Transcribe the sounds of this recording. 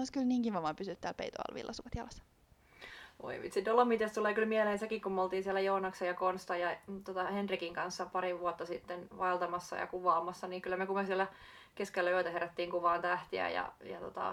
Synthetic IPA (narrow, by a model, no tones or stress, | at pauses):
oskylniːŋkiʋɑʋɑːmpysyt̪t̪ːæːlpḛit̪o̰ɑ̰lʋḭlːʔɑsukɑt̪jɑlɑsːɑ̥ | o̰ipḭt̪sit̪olːomit̪est̪uleːkylmieleːnsekikkumolt̪iːnsiɛlːæjounɑksejɑkonst̪ɑjɑt̪ot̪ɑhendrikiŋkɑnsːɑpɑɾiʋuɔt̪ːɑsit̪ːenʋɑelt̪ɑmɑsːɑ̰jɑ̰kuʋɑːmɑsːɑniːŋkylːæmekumesiɛlːæ | keskelːæøit̪æheɾæt̪ːiːŋkuʋɑːnt̪æht̪iæ̰jɑ̰jɑ̰t̪ot̪ɑ̰